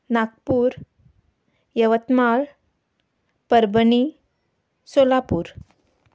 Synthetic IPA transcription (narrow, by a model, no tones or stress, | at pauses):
nak̚puːɾ | jəʋət̪maɭ | pəɾbəni | solapuːɾ